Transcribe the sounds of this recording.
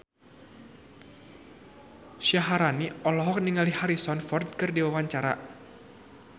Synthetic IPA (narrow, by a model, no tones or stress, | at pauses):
ʃaɦaɾaniʔɔlɔɦɔk̚niŋalihaɾisɔnfɔrd̪̚kɨrdiwawaɲt͡ʃaɾa̰